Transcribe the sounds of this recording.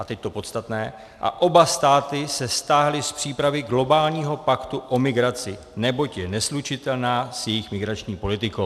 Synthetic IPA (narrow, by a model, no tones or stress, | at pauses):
ʔat̪ɛc̚t̪o̞po̞t̪st̪at̪nɛː | ʔa̰ʔo̞bast̪aːt̪ɪsɛst̪aːɦlɪspr̝̥iːpɾavɪɡlo̞baːlɲiːɦo̞pakt̪uʔo̞mɪɡɾat͡sɪ | nɛbo̞cjɛnɛslut͡ʃɪt̪ɛlnaːsjɛjɪxmɪɡɾat͡ʃɲiːpo̞lɪt̪ɪkow